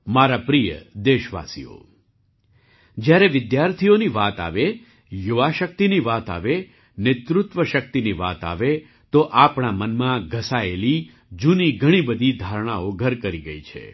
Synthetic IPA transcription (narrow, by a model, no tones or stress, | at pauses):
maɾapɾijə̰d̪eʃʋa̰sḭo̰ | d͡ʒjaɾeʋɪd̪jaɾt̪ʰioniʋat̪a̰ʋe | juʋaʃək̚t̪iniʋat̪a̰ʋe | nɪt̪ɾʊt̪ʋəʃək̚t̪iniʋa̰t̪a̰ʋe | t̪oʔapɳamənmãɡʱəsaeli | d͡ʒuniɡʱəɽ̃ibəd̪ʱid̪ʱaɾɽ̃aoɡʱəɾkəɾiɡəit͡ʃʰḛ